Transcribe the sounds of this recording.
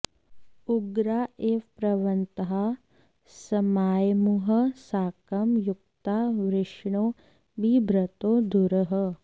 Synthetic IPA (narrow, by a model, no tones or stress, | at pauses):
uɡɾaːeːpɾɐʋɐnt̪ɐɦa | sɐmaːjmuɦɐsaːkɐmjuk̚t̪aːʋɾɪʂɳoː | bibʱɾɐt̪oːd̪ʱuɾɐɦɐ